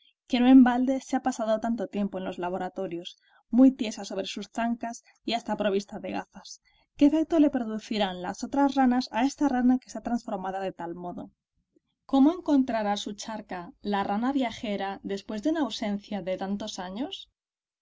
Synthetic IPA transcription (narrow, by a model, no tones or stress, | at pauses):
kenwoe̞mbald̪e̞seapasaðo̞t̪ant̪o̞t̪je̞mpo̞e̞nlo̞zlaβo̞ɾat̪o̞ɾjo̞s | mujt̪je̞saso̞β̞ɾe̞susθaŋkas | iast̪apɾo̞β̞ist̪aðe̞ɣaθas | ke̞fek̚t̪ole̞pɾo̞ðuθiɾanla̰so̞t̪ɾazranasae̞st̪aranake̞sat̪ɾansfo̞ɾmaðað̞e̞t̪almo̞ðo | ko̞moe̞ŋko̞nt̪ɾaɾasut͡ʃaɾkalaranaβjaxe̞ɾaðe̞spwe̞zðeunaːwse̞n̟θjaðe̞t̪ant̪o̞saɲo̞s